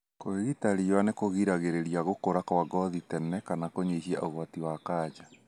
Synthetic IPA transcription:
koeɣitaɾijwanekoɣiɾaɣeɾeɾiaɣokoɾakawaɡɔðitɛnɛkanakoɲeɦia̰ʔoɣwatiwakaːd͡ʒa

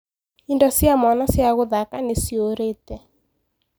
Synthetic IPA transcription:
indɔsjamɔnɔsjaɣoðakanesioɾetɛ

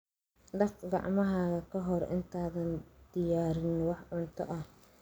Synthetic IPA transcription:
ɖɐqɡɑ̰ʕmɐɦaːɣɐkʰɐɦɔrʔɪ̰nt̪ʰaːðɐnd̪̥ɪjaːɾɪnwɑħʕʊnt̪ʰɔ̰ʔɐh

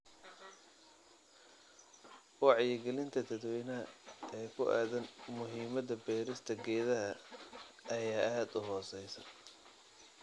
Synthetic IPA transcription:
wɑʕjɛɡɛlɪnt̪ʰɐt̪ʰɐd̪wɛjnɐɐʔɛːkʰʊʔa̰ːðɐnmʊɦiːmɐðɐbɛːɾɪst̪ʰɐɡɛːðɐɦɐː | jaːaːd̪ʊɦɔːsɛjsɐ̰

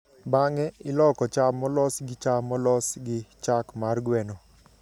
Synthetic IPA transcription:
baŋɛɪlɔkɔt͡ʃamɔlɔsɡɪt͡ʃamɔlɔsɡɪt͡ʃakmarɡwɛnɔ

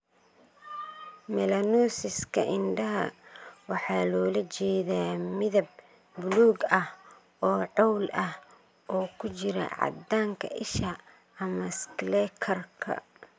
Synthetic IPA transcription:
mɛlɐnɔːsɪskʰɐ̰ʔɪnɖɐɦɐ̰wɑħɑːlɔːlɐt͡ʃɛːðaːmɪðɐb̚ː | ʊluːɡɐh | ɔːʕɔwlɐh | ɔːkʰʊt͡ʃɪɾɐ̰ʕɑ̰d̪aːŋkʰɐ̰ʔɪʃɐ | ɐmɐsklɛːkʰɐrkʰɐ̰

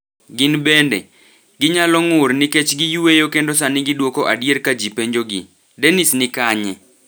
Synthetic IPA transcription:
ɡɪnbendḛ | ɡɪɲalɔŋʊrnɪket͡ʃɡɪjuwejokendos̬anɪɡɪdwokoʔadjeɾkad͡ʒipeɲd͡ʒoɡɪ̰ | denisnɪkaɲɛ̰

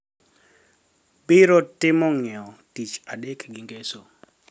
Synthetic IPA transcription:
bɪɾɔtɪmɔŋɪɔtit͡ʃadekɡiŋɡeso

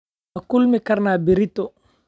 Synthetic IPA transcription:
akulmikaɾnaːbiɾitːɔ

